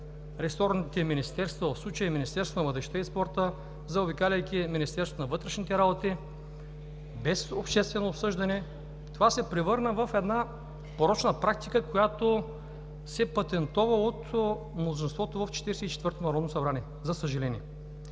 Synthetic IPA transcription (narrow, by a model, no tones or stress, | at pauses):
ɾɛsɔɾnit̪ɛminist̪ɛɾst̪vɐvəfslˠut͡ʃəjiminist̪ɛɾsonɐvət̪ɛʃt̪ɛispɔɾt̪ə | zɐʊbikalʲəjkʲiminʲist̪ɛɾso̥t̪onɐvɤt̪ɾɛʃnit̪ɛɾabot̪i | bɛsopʃt̪ɛst̪vɛnoːpsɤʒd̪ɐnɛ | t̪ovasɛpɾɛvɤɾnəvəfɛd̪na | poɾɔt͡ʃnəpɾak̚t̪ikəkojat̪o | sɛpɐt̪ɛnt̪ɔvəot̪ | mlˠozinst̪vɔt̪ovəft͡ʃɛ̥t̪iɾɛsɛit͡ʃɛt̪vɤɾt̪onɐɾɔd̪nosɐbɾaniɛ | zɐsəʒɐlɛnʲiɛ